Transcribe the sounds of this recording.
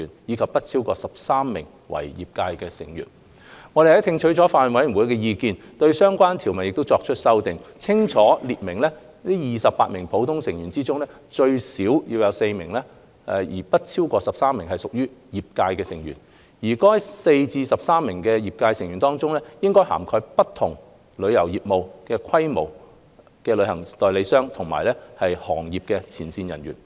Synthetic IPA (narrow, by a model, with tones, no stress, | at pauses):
yː˨˩njiː˨˧kʰɐ˨p̚ːɐ˥t̚t͡sʰi˥wkɔ̰ː˧sɐ˨p̚saː˥mːɪ̰˨˩ŋ | wɐ̰˨˩jjḭː˨p̚kaː˧jkɛː˧sɪ̰˨˩ŋjy̰ː˨˩n | ŋɔː˨˧ɾe˨˩hɐ˨˥jt̪ʰɪ˧ŋt͡ʃʰɵ˨˥jt͡sɔː˨˥faː˧n˨nwɐ˨˥jy˨˩wu˨˥jkɛː˧jiː˧kiː˧nt̪ɵ˧ɥsœː˥ŋkʷwaː˥nt̪ʰi˨˩wmɐ˨n̚jɪkt̪wt͡sɔː˧k̚t͡ʃʰɵ˥t̚sɐ˥wt̪ɪ˨ŋt͡sʰɪ˥ŋt͡ʃʰɔː˨˥liː˨t̚mɪ˨˩ŋlɛ˥ | niː˥jiː˨sɐ˨pːaː˧t̚mɪ˨˩ŋpʰo˨˧˥wt̪ʰʊ˥ŋsɪ˨˩ŋjyː˨˩nt͡siː˥t͡sʊ˥ŋlɛː˥ | t͡ʃɵ˧ɥsi˨˥wji˧wjɐ˨˧wse˧jmɪ̰˨˩ŋlɛː˥ | ɛ˧jiː˨˩pɐ˥t̚t͡sʰiː˥wkɔː˧sɐ˨p̚saː˥mːɪ˨˩ŋhɐ˨jsʊ˨k̚jyː˥jiː˨p̚kaː˧jkɛː˧sɪ˨˩ŋjyː˨˩n | jiː˨˩kɔː˥hɐ˨˥jse˧jt͡siː˧sɐ˨p̚saː˥mːɪ˨˩ŋkɛː˧jiː˨p̚kaː˧jsɪ˨ŋjyː˨˩nt̪ɔː˥ŋt͡sʊ˥ŋlɛː˥jɪ˥ŋkɔː˥jha̰ː˨˩mkʰɔ˧jpɐ˥t̪ʰːʊ˨˩ŋ | lɵ˨˧ɥjɐ˨˩wjiː˨p̚mo˨wkɛː˧kʰɐ˥jmo˨˩w | kɛː˧lɵ˨˧˥hɐ˨˩ŋt̪ɔː˨jle˨˧jsœː˥ŋt̪ʰʊ˨˩ŋma̰ː˨˩jlɛ˥hɐ˨jhɔ̰ː˨˩ŋjiː˨p̚kɛː˧t͡sʰiː˨˩nsiː˧njɐ˨˩nɥy̰ː˨˩n